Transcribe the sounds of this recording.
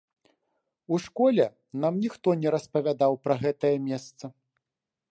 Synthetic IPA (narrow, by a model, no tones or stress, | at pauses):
uʂkɔlʲɛ | namnʲixt̪ɔnʲɛɾɐspɐvʲad̪awpɾɐɣɛt̪ɐjɐmʲɛst̪sɐ